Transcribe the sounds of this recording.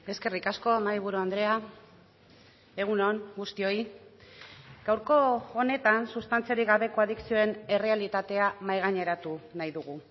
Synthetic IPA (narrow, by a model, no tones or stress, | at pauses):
e̞ske̞rikasko̞maiβ̞uɾuand̪ɾe̞a | e̞ɣ̞unoŋɡust̪io̞i | ɡ̥awɾko̞ːne̞t̪ansust̪ant͡siaɾiɣaβe̞ko̞aðiksio̞e̞ne̞re̞alit̪at̪e̞amajɣ̞aɲe̞ɾat̪unajðuɣ̞u